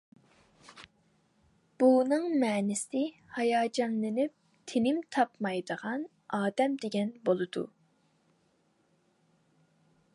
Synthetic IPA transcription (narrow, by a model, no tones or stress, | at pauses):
b̥unɨŋmɛnɪsɪ | hɑjɑːd͡ʒɑnlˠɪnɪp̚ | t̪ʰenɪmt̪ʰɑpmɑjd̪əʁɑn | ɑːd̪ɛmd̪eɡʲɛnbolˠɨd̪ṵ